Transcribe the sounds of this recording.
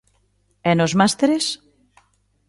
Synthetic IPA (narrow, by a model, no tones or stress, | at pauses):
ɛnozmast̪eɾes